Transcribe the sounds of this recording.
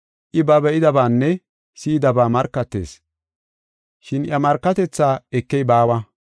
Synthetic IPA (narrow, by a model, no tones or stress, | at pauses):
ʔɪbɐbɛʔɪd̪ɐbaːnːɛ | siːd̪ɐbaːmɐɾkːɐt̪ːe̞̰ːs | ʃɪnʔjɐmɐɾkːɐt̪ɛt͡sːaːɛkːɛjbaːwɐ